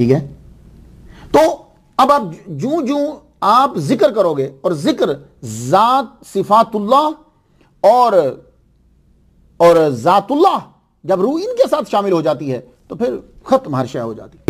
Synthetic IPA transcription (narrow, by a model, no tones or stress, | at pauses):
ʈʰiːkɦɛː | t̪oː | ɐbaːp̚d͡ʒũːd͡ʒũː | aːpzɪkəɾkɐɾoːɡeːɔːɾzɪkəɾ | zaːt̪̚sɪfaːt̪ʊlːaːɦ | ɔːɾ | ɔːɾzaːt̪ʊlːaːɦ | d͡ʒɐbɾuːɪnkesaːt̪ʰʃaːmɪlɦoːd͡ʒaːt̪̬iɦɛː | t̪opʰɪɾxɐt̪mɦaɾʃaɦo̰ːd͡ʒa̰ːt̪i̥ɦɛ